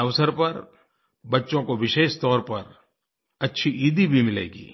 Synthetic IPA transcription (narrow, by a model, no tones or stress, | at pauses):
ɐʋsəɾpɐɾ | bɐtːʃõkoʋɪʃeːʃt̪ɔːɾpɐɾ | ɐtːʃʰiʔiːd̪ibʱimɪlḛːɡḭː